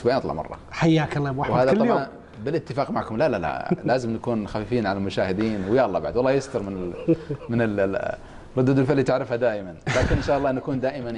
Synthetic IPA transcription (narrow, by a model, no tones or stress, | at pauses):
bʕinɑt̪ˤlɑ̰ʕmɑ̰rˤːɑ̰ħajːaːklːɑmwawhaːðatˤɑjoʕan | bɪlʔɪt̪ːɪfaːqmaʕkʊmlalala̰laːzɪmnakuːnxafiːfiːnʕalalmʊʃaːhɪd̪iːnwjaːʔɑlˤːɑːbaʕad̪wɑlˤːɑːjɪst̪ɑɾmɪnɪmɪnɪl | rˤʊd̪ːʊd̪ʊlfɪlːit̪ɪʕɾɪfhad̪aːʔɪmanlaːkɪnʔɪnʃaːʔɑlˤːɑːnːakuːnd̪aːʔɪman